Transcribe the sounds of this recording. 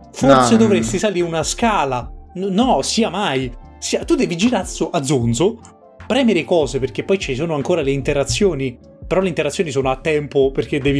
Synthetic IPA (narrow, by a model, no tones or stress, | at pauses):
forsed̪ovɾest̪isaliːɾunaskaːlannɔsiːamaj | siːat̪ud̪ːɛːvid͡ʒiːɾasoʔad̪zːonso | pɾɛːmelekɔːzeperk̟epːɔjt͡ʃis̬oːnoaŋkoːɾaleint̪eɾat̪sːjoːni | peɾɔleint̪eɾat̪sjoːnis̬oːnoat̪ːɛmpoperk̟ed̪ːɛːvi